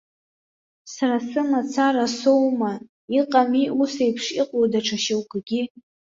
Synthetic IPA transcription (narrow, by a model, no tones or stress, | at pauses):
saɾasɨmat͡sʰaɾasowma | iqʼamiusejpʰʂiqʼowdaʈ͡ʂʰaʃɪwɡɡʲi